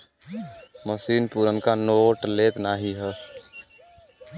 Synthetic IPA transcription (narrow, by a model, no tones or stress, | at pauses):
məsiːnpuːɾənkanoːʈleːt̪naːɦiɦɛː